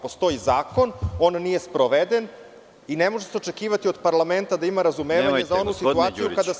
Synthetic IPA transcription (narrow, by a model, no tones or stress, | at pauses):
post̪o̞izaːko̞no̞nːije̞spɾoʋed̪e̞n | inemo̞ʒeseo̞t͡ʃe̞kiːʋat̪io̞d̪paɾlˠame̞nt̪ad̪aimaɾazumeːʋaɲɲezaonusit̪uaːt̪ijukad̪a